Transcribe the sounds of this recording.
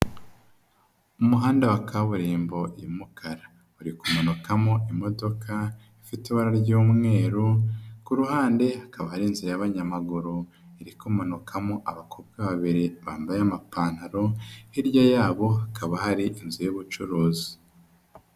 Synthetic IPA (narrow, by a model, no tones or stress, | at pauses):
umuɦaːndawakʰaβuɾiːmbo̞jimukʰaɾa | uɾikumonukamo̞ʔimo̞do̞kʰa | ifitiβaɾaɾɟuːmŋe̞ːɾukuɾuhaːnde̞hakaβahaɾinziɾajaβaɲamaɡuɾu | iɾikumanukʰamoʔaβakʰobɡaβaβiɾeβaːmbajamapaːnaɾo̞hiɾjajaːβo̞akʰaβahaɾiʔinzujuβut͡ʃuɾuːzi